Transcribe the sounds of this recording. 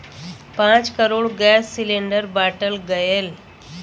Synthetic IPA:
pãt͡skəɾoːɽɡɛsːileɳɖəɾbaʈəlɡəjel

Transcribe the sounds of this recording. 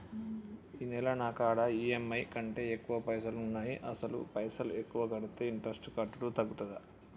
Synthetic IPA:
inɛlɐnaːkaːɽɐiːemːɐjkɐɳʈe̞ːekːuʋɐpɐjsɐlunːaːjiʔɐsɐlṵpɐjsɐlekːuʋɐɡɐɽut̪eiɳʈɾɐsʈkɐʈːuʈuːt̪ɐɡːut̪ɐd̪ɐ

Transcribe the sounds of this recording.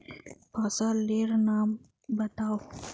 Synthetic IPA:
pasaleɾnɑːm | bat̪aw

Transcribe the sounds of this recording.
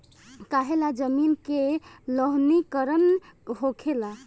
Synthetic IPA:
kaɦelad͡ʒəminkeləɦnikəɾənɦokʰela

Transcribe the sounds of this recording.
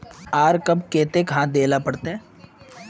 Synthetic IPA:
aːɾkɐbkeːt̪ekɦãd̪eːlapɐɽt̪eɛ̃ː

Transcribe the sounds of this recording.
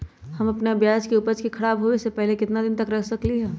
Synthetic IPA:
hɐmɐpneɐbjaːd͡ʒkeʊpət͡ʃkikʰɐɽaːbɦoesepɛɦlekɪt̪nad̪ɪnt̪ɐkɾɐkʰsɐkliɦɛː

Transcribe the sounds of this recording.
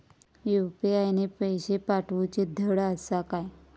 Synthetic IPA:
jupiajnepəjɕepaʈʋut͡ɕed̪ʱəɽəsakaj

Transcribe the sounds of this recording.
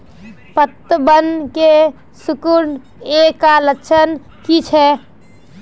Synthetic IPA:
pət̪ːəbənke | sʊkuɾn | ekaləkt͡ʃʰən | kit͡ʃʰɛ

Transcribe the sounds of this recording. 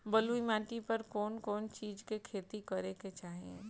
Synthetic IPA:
bɐluimãːʈipɐɾkɔːnkɔːnt͡ʃiːd͡ʒkekʰeːt̪ikɐɾeket͡ʃaːɦiẽ

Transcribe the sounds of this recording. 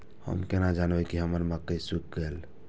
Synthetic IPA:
hə̰mkenad͡ʒanbəkiɦəməɾmakəisukɡel

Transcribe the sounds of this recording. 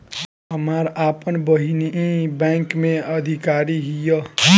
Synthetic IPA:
ɦʌmaɾapʌnbʌɦiniʔibaŋkmeʌd̪ʱikaɾiɦijʌ

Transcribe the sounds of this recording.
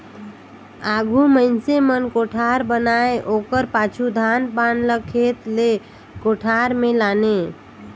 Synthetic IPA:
aɡʱuməɪnsemənkoʈʰaɾbənaeʔokəɾpat͡ʃʰud̪ʱanpanləkʰet̪le | koʈʰaɾmelane

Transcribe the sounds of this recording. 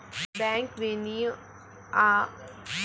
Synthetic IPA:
bɛ̃ːŋkʋeni | a

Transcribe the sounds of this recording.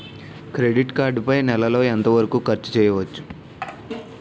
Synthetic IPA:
kɾe̞ɖiʈkaːɾɖpɐjnɛlɐlo̞ːent̪ɐʋɐɾɐkuːkɐɾt͡ʃːu̥t͡ʃɛːjɐʋɐt͡ʃːu̥

